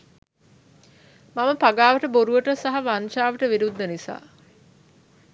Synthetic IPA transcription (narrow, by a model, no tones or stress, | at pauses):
maməpaɡaːʋəʈəboɾuʋəʈəsaɦaʋanʃaːʋəʈəʋiɾud̪ːənisa̰ː